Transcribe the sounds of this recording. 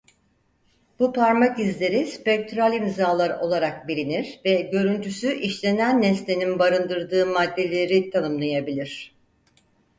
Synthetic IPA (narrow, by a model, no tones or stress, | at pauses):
b̥upʰaɾmaɟizlʲe̞ɾispɛc̚t̪ʰɾalʲimzaːlˠaɾo̞lˠaɾak̚biɾiniɾvɛɟø̞ɾynt̪ʰysyʔiʃlʲe̞nænːɛslʲeninbaɾɯnd̪ɯɾd̪ɯːmad̪ːe̞lʲeɾit̪ʰanɯmlˠajabilʲiɾ̝̥